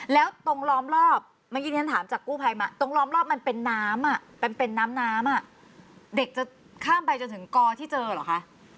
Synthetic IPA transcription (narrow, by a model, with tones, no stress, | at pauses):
lɛː˦˥wt̪o˧ŋlɔː˦˥mɾɔː˥˩p̚ | ma˥˩ki˧˦˥a˦nt̪ʰaː˩˦mt͡ɕaː˨˩kːuː˥˩pʰa˧jma˦˥t̪o˧ŋlɔː˦˥mlɔː˥˩p̚ma˧npe˧nːaː˦˥mʔa˨˩ʔpa˧npe˧nːaː˦˥mnaː˦˥mʔa˨˩ʔ | de˨˩k̚t͡ɕa˨˩ | kʰaː˥˩mpa˧jt͡ɕo˧nt̪ʰɯ˩˦ŋkɔː˧t̪ʰiː˥˩t͡ɕɤː˧lɔ̰˨˩kʰa˦˥ʔ